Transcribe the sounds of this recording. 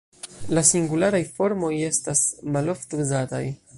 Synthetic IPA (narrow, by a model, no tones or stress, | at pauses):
lasiŋɡulaɾajfo̞ɾmo̞je̞stasmalo̞ftuzata̰j